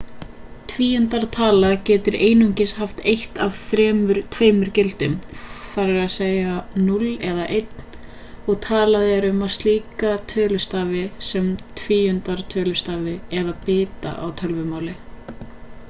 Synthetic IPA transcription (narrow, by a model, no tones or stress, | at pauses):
t̪ʰviːʏnt̪aɾt̪ʰaːlacɛːt̪ʏɾeːjnuɲcɪshaft̪ejht̪avθɾɛːmʏɾt̪ʰveːjmʏɾcɪlt̪ʏmfaɾɪɾaðseːjanulɛðaʔejt̪n̥ | ɔɣt̪ʰaːlaðɪɛɾʏmaðst̪liːkat̪ʰœːlʏst̪aːvɪsɛmt̪ʰviːʏnt̪aɾ̥t̪ʰœːlʏst̪aːvɪɛðapɪːt̪a̰ʔa̰wt̪ʰœlvʏmaːwlɪ